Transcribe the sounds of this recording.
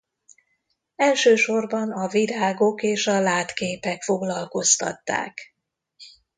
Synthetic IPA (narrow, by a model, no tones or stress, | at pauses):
ɛlʃøːʃo̞rbɒnɒviɾaːɡo̞keːʃɒlaːt̪keːpɛkfo̞ɡlɒlko̞st̪ɒ̰t̪ːa̰ːk